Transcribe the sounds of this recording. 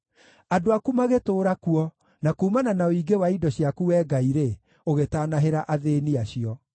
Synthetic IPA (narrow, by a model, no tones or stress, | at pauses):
adoakumaɣetoːɾakuɔ | nakuːmananaoiɡewaidɔɕjakuwɛːɡaiɾe | oɣetanaɦeɾaʔaðeniaɕiɔ